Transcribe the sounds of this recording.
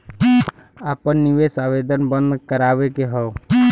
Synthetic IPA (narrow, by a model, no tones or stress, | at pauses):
aːpənːiʋesaʋed̪ʱənbə̃nd̪kəɾaʋekeɦɔo